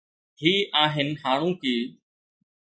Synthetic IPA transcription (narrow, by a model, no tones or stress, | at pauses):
hiːʔaːɦɪnhaːɽ̃ũːkiː